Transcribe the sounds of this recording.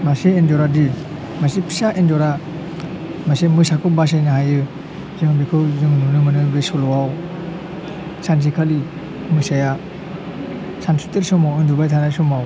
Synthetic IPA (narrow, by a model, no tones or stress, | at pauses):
maseːndɔɾadi | masipʰi̥saʔendɔɾa | masemɯsakɯbas̬ajnahajɯ | zɯŋbikʰɯwzɯŋnunɯmɯnɯbesɔlɔwaw | sans̬ikʰali | mɯsaja | sansu̥teɾsɔmawɯndubajtʰanajsɔmaw